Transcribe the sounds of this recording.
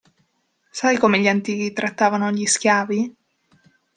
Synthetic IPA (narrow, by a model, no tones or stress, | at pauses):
sajkoːmeʎant̪iːk̟it̪ɾʔat̪ːaːvanoʎiskʲjaːvi